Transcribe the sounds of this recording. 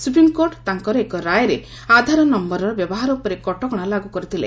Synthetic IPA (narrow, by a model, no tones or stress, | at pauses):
supɾimkoɾʈt̪aŋkɔɾɔekɔɾajɔɾe | ad̪ʱaɾɔnɔmbɔɾɔɾɔbjɔbɔɦaɾɔupɔɾekɔʈɔɡɔɽ̃alaɡukɔɾit̪ʰilḛ